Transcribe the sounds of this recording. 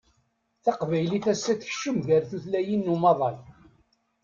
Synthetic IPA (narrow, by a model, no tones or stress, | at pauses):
θɑqvæjliθæsːæθçʃːəmʝəɾθuθlæjinːumɑðˤɑl